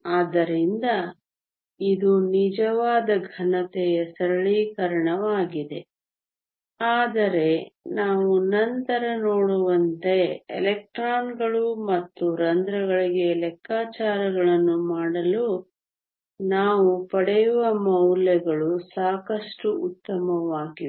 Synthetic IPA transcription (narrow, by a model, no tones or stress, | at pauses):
aːd̪ɐɾind̪ɐ | id̪unid͡ʒɐʋaːd̪ɐɡʱɐnɐt̪ɛjɐsɐɾɐɭiːkɐɾɐɳɐʋaːɡid̪e̞ | aːd̪ɐɾe̞naːʋunɐnt̪ɐɾɐnoːɽuʋɐnt̪e̞̰ːlɛk̚ʈɾaːnɡɐɭumɐt̪ːuɾɐnd̪ɾɐɡɐɭiɡe̞lɛkːaːt͡ʃaːɾɐɡɐɭɐnːumaːɽɐlu | naːʋupɐɽɛjuʋɐmɐwlɛɡɐɭusaːkɐʂʈuːt̪ːɐmɐʋaːɡi